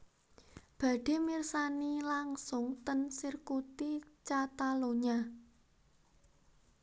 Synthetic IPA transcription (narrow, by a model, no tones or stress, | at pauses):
b̥ä̤ɖ̥e̤mirsanilaŋsʊŋt̪ənsirkut̪it͡ʃat̪aloɲa